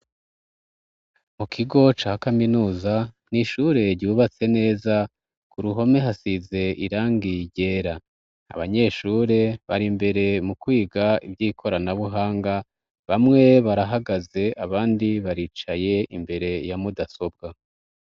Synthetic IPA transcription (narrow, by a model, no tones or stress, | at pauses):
mukʰiɡo̞t͡ʃaːhkaminuːza | niʃuɾe̞ɾɟuːβat͡se̞ne̞ːza | kuɾuɦo̞me̞ɦasize̞iɾaːŋɡiɟe̞ːɾa | a̰βaɲe̞ːʃuɾe̞βaɾimbe̞ɾe̞mukwiːɡaḭvɟiːkʰo̞ɾanaβuɦaːŋɡa | βamŋe̞βaɾaɦaɡaze̞ʔaβaːndiβaɾiːt͡ʃaje̞imbe̞ɾe̞jamudaso̞b̚ɡa